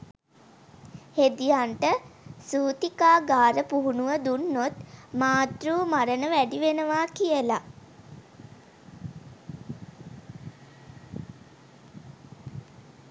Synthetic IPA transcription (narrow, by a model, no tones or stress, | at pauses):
hed̪ijaɳʈəsuːt̪ikaːɡaːɾəpuɦunuʋəd̪unːot̪maːt̪ruːmaɾənəʋæɖiʋenəʋaːkijəla